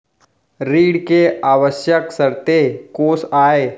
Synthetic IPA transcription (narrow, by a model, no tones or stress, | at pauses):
ɾiːɽkeaːʋəʃjəksəɾt̪ekoːsaːe